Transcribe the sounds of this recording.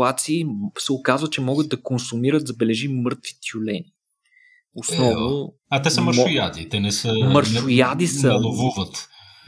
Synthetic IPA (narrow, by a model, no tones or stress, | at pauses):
at̪siːsɛʊkazvət͡ʃɛmɔɡət̪d̪̚ɐkonsumiɾət̪zɐbɛlɛʒimɤɾt̪vi̥t̪julɛnʲi | ʊsnɔvnʊ | ɐt̪ɛsəməɾʃʊjad̪it̪ɛnɛsəməɾʃʊjad̪isəɛlˠovuvət̪